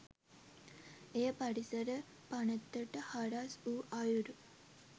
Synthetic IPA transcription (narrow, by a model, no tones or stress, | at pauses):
ejəpɐɽisəɾə | panət̪ːəʈəhaɾasuːʔajuɾu